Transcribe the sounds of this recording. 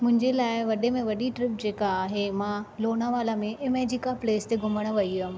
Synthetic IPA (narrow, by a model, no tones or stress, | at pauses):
mʊ̃ɦɪ̃ɲd͡ʑelaːɪʋɐɗemẽʋɐɗiʈɾɪp̚d͡ʑeːkaːɦemãloːnaʋaːlamẽʔɪmɛːd͡ʑɪkapleːst̪eɡʱʊməɽ̃ə̆ʋɐiʊ